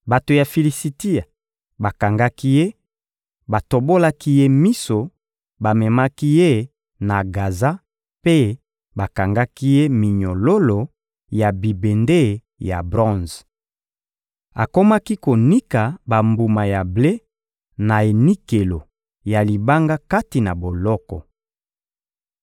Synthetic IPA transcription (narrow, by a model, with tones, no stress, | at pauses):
ba˨to˨ja˨fi˨li˨si˨ti˦a˨ | ba˨ka˨ŋɡa˦ki˦je˦ | ba˨to˨bo˦la˦ki˦je˦mi˦so˨ | ba˨mɛ˨ma˦ki˦je˦ | na˨ɡa˨za˦ | pe˦ | ba˨ka˨ŋɡa˦ki˦je˦mi˨ɲo˨lo˦lo˨ | ja˨bi˨be˨nde˦ | ja̰˨bʁɔ̃˦˨z | a˨ko˦ma˦ki˦ko˨ni˦ka˨ba˨mbu˨ma˨ja˨ble˦ | na˨e˨ni˦ke˨lo˨ | ja˨li˨ba˦ŋɡa˦ka˦ti˨na˨bo˨lɔ˦kɔ̰˨